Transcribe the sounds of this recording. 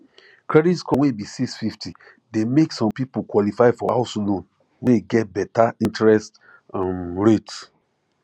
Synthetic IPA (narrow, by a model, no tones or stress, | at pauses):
kɹɛditskʰɔwẽbisiksfiftʰi | demeksɔ̃mpipokwɔlifaɪfɔaʊslõn | weɡɛt̚bɛtaĩntɹɛst | ãnɹet